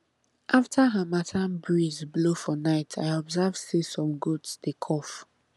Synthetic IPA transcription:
ʔaftʰaɦamatʰabɹizblofɔnaɪtʰaɪɔbzavsisɔ̃mɡudsdekʰɔf

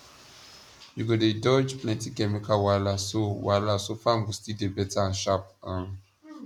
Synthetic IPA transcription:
juɡodedɔd͡ʒplɛ̃ntikɛmikawalasowalasofamɡustidebɛtaʃap̚ã

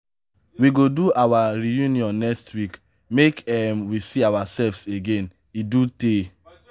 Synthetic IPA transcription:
wiɡoduawaɹijũniɔ̃nːɛkstwik | mekɛmwisiawasɛlfseɡẽn | idute

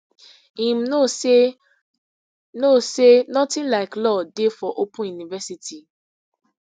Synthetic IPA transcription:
ĩm̩no | nosenɔtĩnlaɪklɔdefɔʔopũjunivɛsitʰi

